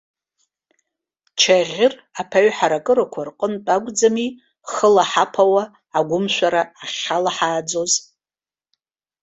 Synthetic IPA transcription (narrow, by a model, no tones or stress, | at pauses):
t͡ʃʰaʁʲɪrapʰaɥħaɾakʼɨɾakʷʰarqʼəntʼaɡʷd͡zami | χəlaħapʰawaː | ɡʷʊmʃʷaɾaːχʲalaħaːd͡zo̞z